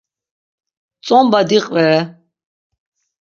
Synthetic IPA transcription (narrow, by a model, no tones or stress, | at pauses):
t͡sʼɔmbad̪iqʼvɛɾɛ